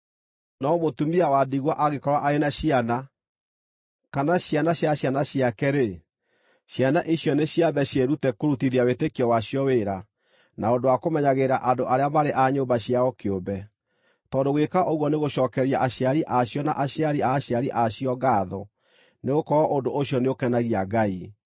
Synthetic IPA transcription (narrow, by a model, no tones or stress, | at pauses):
nɔmotumiawadiɣwaʔaɣekɔɾwaʔaenaɕiana | kanaɕjanaɕjaɕjanaɕiakɛɾe | ɕjanaʔiɕjɔneɕjaβɛɕeɾutɛkoɾutiðiawetekiɔwaɕjɔweɾa | naondowakomɛɲaɣeɾaʔadoʔaɾeamaɾeʔaɲoːbaɕiaɔkeobɛ | tɔndoɣwekaʔoɣwɔneɣoɕɔːkɛɾiaʔaɕjaɾiʔaɕjɔna̰ʔaɕjaɾiaɕjaɾiʔaɕiɔɡaːðɔ | neɣokɔɔʔondoʔoɕjɔneokɛnaɣiaɡai